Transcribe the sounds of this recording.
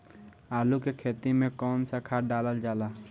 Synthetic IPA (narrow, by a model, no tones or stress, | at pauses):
aːlukekʰeːt̪imẽkɔːnsakʰaɖaːləld͡ʒaːlaː